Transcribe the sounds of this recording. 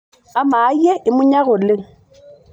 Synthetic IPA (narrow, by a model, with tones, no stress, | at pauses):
a˦ma˨˦ɛ˦ʔɪ˨mʊ˦ɲa˦ɣʊ˨lɪ˦